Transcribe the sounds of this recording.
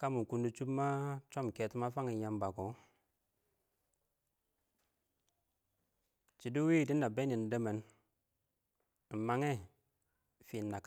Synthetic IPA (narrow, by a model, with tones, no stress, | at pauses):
ka˦mu˨ku˦ndu˦t͡ʃu˦bma˦t͡ʃo˦mke˨ti˦ma˦fa˦ŋi˨ja˨mba˨ko˨ | t͡ʃi˨du˦wi˦˨di˦na˨be˦ni˨n˨de˦me˨n˨ | ma˦ŋe˦ | fi˨nːa˨k